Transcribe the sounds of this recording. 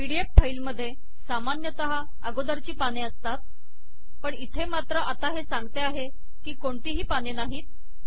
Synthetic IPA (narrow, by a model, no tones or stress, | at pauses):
ʋiɽiep̚fʰailməd̪ʱːje | samanjət̪əɦa | əɡod̪aɾt͡ɕiːpaneəst̪at̪̚ | pəɳit̪ʰemat̪ɾəʔat̪aɦesãŋɡt̪eaɦe | kiːkoɳt̪iːɦiːpanenaɦiːt̪̚